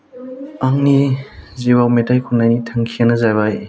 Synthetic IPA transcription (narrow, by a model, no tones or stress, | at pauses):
aŋniziwawmetajkʰunajnitʰaŋkʰianɐzajβaj